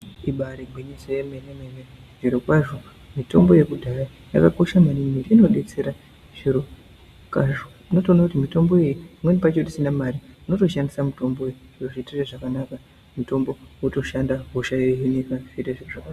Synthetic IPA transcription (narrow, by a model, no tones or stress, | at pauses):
iɓaɾeɡʱwiɲisejemenemeneʐiɾukaʒo | mito̞mboje̞kudʱaɾa | ja̰kako̞ʃamanimiɾiino̞ɗe̞t͡se̞ɾa | ʐ̥iɾu | kaʒo | ino̞toːnakutimito̞mbo̞ejimwenipat͡ʃo̞tisinamaɾiino̞to̞ʃandisamuto̞mbo | oʐitereʐakanaka | muto̞mbo̞wuto̞ʃandaɦoʃaeɦinekafiɾeʐiʐaka